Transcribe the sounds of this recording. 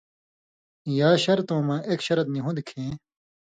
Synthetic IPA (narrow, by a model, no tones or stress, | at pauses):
jaːɕɐɾt̪õːmãːʔekɕɐɾɐt̪niɦũd̪ikʰẽː